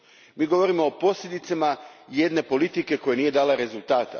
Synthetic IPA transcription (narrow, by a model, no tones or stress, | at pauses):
miːɡo̞ʋo̞ɾimo̞ːpo̞sʎʲed̪it̪samaje̞d̪ne̞po̞lit̪ike̞ko̞jenije̞d̪aːlaɾe̞zulˠt̪aːt̪a̰